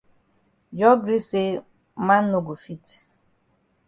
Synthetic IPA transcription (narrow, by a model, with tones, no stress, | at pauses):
d͡ʒɔ˦ɡɾi˦se˦ | ma˦n̩ː˦o˨ɡo˨fi˦t